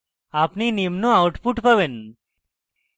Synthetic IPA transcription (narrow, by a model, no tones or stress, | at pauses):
apninimnõawʈpuʈpəʋen